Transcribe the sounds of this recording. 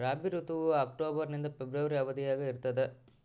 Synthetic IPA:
ɾaːbiɾut̪uʋuaːkʈoːbɐɾnind̪ɐpebɾɐʋɐɾiɐʋɐd̪ijaːɡɐiɾt̪ɐd̪e

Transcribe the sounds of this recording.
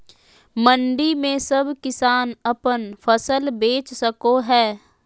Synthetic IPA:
mə̃ɳɖimẽsɐbʱkɪsaːnɐpənfʰɐsəlbeːt͡ʃsəkoɦɛː

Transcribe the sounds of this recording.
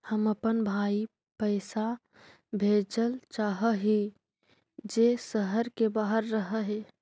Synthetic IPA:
həməpənbʱaːi | pəɪsa | bʱeːd͡ʒəlt͡ʃaːɦəɦi | d͡ʒesəɦəɾkebaɦəɾːəɦəɦe

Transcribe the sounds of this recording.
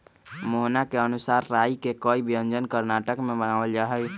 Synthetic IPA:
moɦnakeənʊsaːɾːaːikekɔːibʱijə̃nd͡ʒənkəɾnaʈəkmẽbənaːʋəld͡ʒaɦɛ

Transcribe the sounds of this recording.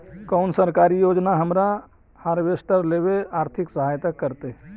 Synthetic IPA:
kəʊnsəɾkaɾijod͡ʒnaɦəmɾa | haɾbesʈəɾleβeaɾt̪ʰiksəɦajt̪əkːəɾt̪e

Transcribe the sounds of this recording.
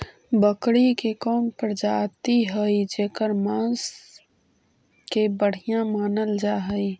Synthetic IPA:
bəkɽikekɔːmpəɾd͡ʒaːt̪iɦəid͡ʒeːkəɾmãːns | kebəɽ̤ijãmaːnəld͡ʒaːɦəi

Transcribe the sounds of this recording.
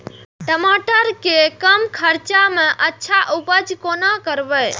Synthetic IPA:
ʈəmaʈəɾkekəmkʰəɾt͡ʃamẽʔətːʃʰaʔupəd͡ʒkonakəɾʋe

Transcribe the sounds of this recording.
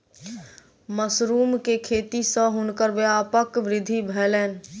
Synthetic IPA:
məsɾuːmkekʰeːt̪isə̃ɦʊnkəɾʋeapəkʋɾɪd̪ʱibʱɛːlɛːn̆

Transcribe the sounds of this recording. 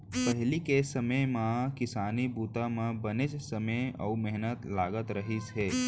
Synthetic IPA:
pəɦlikesəməmãkɪsaːnibuːt̪amãbənɪt͡ʃsəməɔ̰ːumeɦnət̪laːɡət̪ɾəɦisɦeː

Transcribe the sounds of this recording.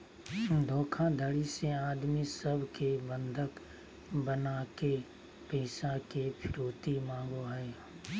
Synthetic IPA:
d̪ʱõːkʰãd̪ʱəɽiseaːd̪misəbʱkebə̃nd̪ʱək | bənake | pɛːʃãkepʰɪɾoːt̪imãːŋɡoɦɛː

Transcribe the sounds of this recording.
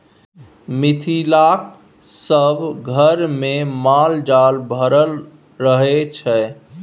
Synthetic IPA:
mit̪ʰilak | səbʱɡʱəɾmemald͡ʒalbʱəɾəl | ɾəɦet͡ʃʰɛ

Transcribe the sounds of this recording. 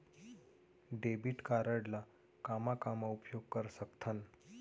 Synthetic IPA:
ɖebiʈkaɾəɽla | kamakamaupjoɡ̚kəɾsəkt̪ʰən

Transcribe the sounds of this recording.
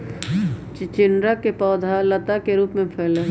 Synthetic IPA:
t͡ʃɪnɾakepɔːd̪ʱalɐt̪akeɾuːpmẽpʰɛːle

